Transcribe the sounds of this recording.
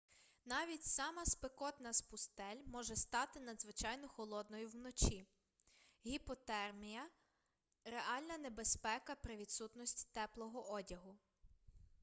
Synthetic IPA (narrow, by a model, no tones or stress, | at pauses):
nɑʋʲitʲsɑmɐspekɔt̪nɐspʊst̪ɛlʲmɔʒɛst̪ɑt̪ɪnɐd̪zʋɪt͡ʃɑjnɔxɔlˠɔd̪nɔjʊwnɔt͡ʃʲi | ɦʲipɔt̪ɛrmʲijɐ | ɾeɑlʲnɐnebespɛkɐpɾɪʋʲid̪sut̪nɔsʲtʲt̪ɛplˠɔɦɔʔɔdʲɐɦʊ